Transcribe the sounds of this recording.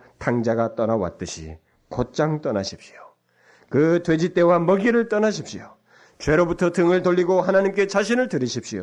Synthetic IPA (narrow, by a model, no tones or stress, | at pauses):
tʰaŋd͡ʑaɡat͈ʌnawa̰t̚t͈ɯɕʰḭ | kot̚t͡ɕ͈aŋt͈ʌnaɕʰip̚ɕi̥o | kɯtwe̞d͡ʑit͈e̞wamʌɡiɾɯɭt͈ʌnaɕ̬ʰip̚ɕ͈ijo | t͡ɕwe̞ɾobutʰʌtɯŋɯɭtoʎːiɡohanaɲimk͈e̞t͡ɕaɕ̬ʰinɯɭtɯɾiɕʰip̚ɕ͈ijo̰